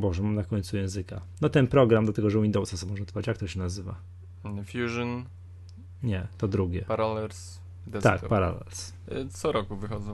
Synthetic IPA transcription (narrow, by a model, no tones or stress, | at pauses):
bɔʐɛmamnakɔɲʲt̪sujɛ̃w̃zɘka̰nɔt̪ɛnpɾɔɡɾamd̪lat̪ɛɡɔʐɛwind̪ɔwsasamɔʐɛt̪fɔvat͡ɕjakt̪ɔɕɛnazɘva̰ | fʲjuʐɔn | ɲɛt̪ɔd̪ɾuɡʲjɛpaɾalɛɾs | d̪t̪ak̚paɾa̰lɛ̰ls | t̪sɔɾɔkuvɘxɔd̪zɔ̃